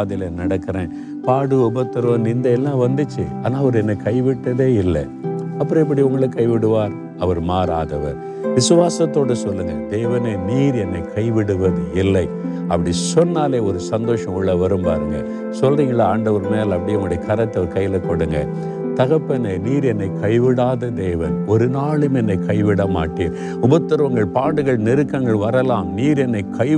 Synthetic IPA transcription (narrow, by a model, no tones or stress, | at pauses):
ðɪlɐnɐɽɐkːɪɾẽː | paːɽɯɔbɐt̪ːɐɾõːnɪnd̪ɐɛlːãːʋɐnd̪ɯt͡ʃːɯaːnaːɐʋɐɾɯɛnːɐkɐɪʋɪʈːɐðeːɪlːɐ̰ | ɐpːɐɾɔ̃ɪp̬ːɐɽiʊŋɡɐɭɐkːɐɪʋɪɽɯʋaːɾ | ɐʋɐɾmaːɾa̰ːðɐʋɐ̰ɾ | ʋɪsɯʋaːsɐt̪ːoːɽɯsɔlːɯŋɡɐ̰d̪ɛːʋɐneniːɾɛnːɐkɐɪʋɪɽɯʋɐðɯɪlːɐɪ | ɐpːɐɽisɔnːaːleːɔɾɯsɐnd̪oːʂɐ̃mʊɭːɐʋɐɾɯmpa̰ːɾɯŋɡɐ̰ | sɔlriːŋɡɐɭɐaːɳɖɐʋɐɾmeːlɐpːɐɽɪjɐmɐɽɐɐkɐɾɐt̪ːɐɾkɐjːɪlɐkɔɽɯŋɡɐ̰ | t̪ɐɣɐpːɐneːniːɾɛnːɐɪkʰɐɪʋɪɽaːðɐd̪eːʋɐnɔɾɯnaːɭɯmɛnːɐɪkɐɪʋɪɽɐma̰ːʈːeːɾ | ʊbɐt̪ːɪɾɯʋɐŋɡɐɭpaːɽɯɣɐɭnɪɾɯkːɐŋɡɐɭʋɐɾɐlaːmniːɾɛnːɐɪkʰɐɪ